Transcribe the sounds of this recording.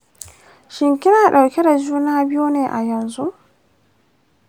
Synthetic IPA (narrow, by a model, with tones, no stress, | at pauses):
ʃɪ˨ŋkʲɪ˦naː˨ɗa˨wkʲɛ˦da˨d͡ʒuː˦naː˦bɪ˦ju˦neː˨ʔa˨jɐ˨nzu˦ʔ